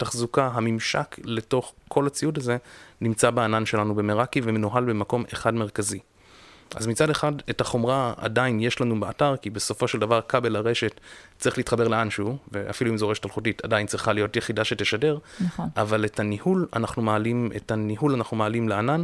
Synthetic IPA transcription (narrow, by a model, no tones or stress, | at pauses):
taχzukaɦamimʃa̰kle̞to̞χkʰo̞lat͡siudaze̞nimt͡sabeananʃe̞lanube̞meʁakivemenuɦalbemako̞meχadme̞ʁkazi | ʔa̰zmit͡sade̞χadethaχo̞mʁaa̰dainje̞ʃlanubeataʁkibe̞so̞fo̞ʃeldavaʁkabe̞laʁe̞ʃe̞tt͡sːʁiχleitχabe̞ʁleanʃuvea̰filuimzeeʃetalχutitadaint͡sʁiχalijo̞tjeχidaʃeteʃade̞ʁavale̞tʰanihula̰naχnumaalimetaniɦulanaχnumaalimleanan